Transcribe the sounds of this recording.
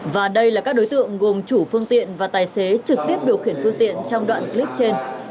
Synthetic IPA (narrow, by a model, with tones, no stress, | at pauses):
vaː˨˩ɗə˧jlaː˨˩kaː˦˥k̚ɗo˨˦jt̪ɨ̰˧˨əŋɣo˨˩mt͡ɕu˧˩fɨ˧əŋt̪ḭ˧˨ənvaː˨˩t̪aː˨˩jse˨˦t͡ɕɨ˨˩k̚t̪i˦˥əp̚ɗi˨˩əwxi˧˩ənfɨ˧əŋt̪ḭ˧˨ənt͡ɕɔ˧wŋ͡mɗwa̰ː˧˨nkli˦˥p̚t͡ɕe˧n